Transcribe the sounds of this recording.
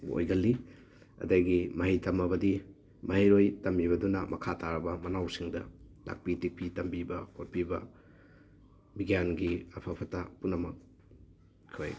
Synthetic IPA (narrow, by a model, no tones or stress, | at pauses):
o̰jɡɐlːi | ɐ̰dɐjɡimɐɦitɐmɐbɐdi | mɐɦiɾojtɐmbiβɐdunɐmɐkʰataɾɐbɐmɐnawsiŋdɐ̰la̰k̚pitik̚pitɐmbibɐkoɾ̚pibɐ | biɡjanɡiɐpʰɐpʰɐtɐpunːɐmɐk̚ | kʰːa̰j